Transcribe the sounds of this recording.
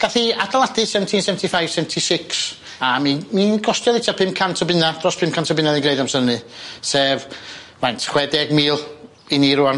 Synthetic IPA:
ɡ̥aθiadalˠadɨsɛvntʰinsɛvəntʰifajv̥sɛvntʰisɪks | amiminɡɔstjɔðɪtʰapʰɪmkʰantʰɔbɪnad̥rɔspʰɪmkʰantʰɔbɪnaðĩnɡreɨdamsənɨsɛːv | majntʰχwɛdɛɡmiːlˠ | iniɾuan

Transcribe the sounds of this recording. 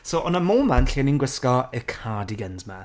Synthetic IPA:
soʔɔnəmoːmanɬiəninɡwɪskɔɪkʰaːdiɡənzma

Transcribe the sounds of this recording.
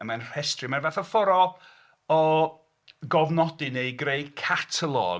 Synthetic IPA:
əmanr̥ɛstrɨmanvaθɔfɔɾɔlˠ | ɔ | ɡɔvnɔdɪnejɡrejkʰatʰəlˠɔ̰

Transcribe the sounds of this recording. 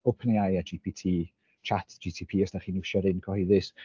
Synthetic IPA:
owpʰəneajad͡ʒipʰitʰiː | t͡ʃʰatʰd͡ʒitʰipʰiːɔsd̥aχiːnuʃɔɾɪnkʰɔhijðɪs

